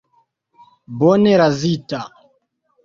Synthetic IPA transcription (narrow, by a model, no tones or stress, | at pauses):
bɔnɛɾazita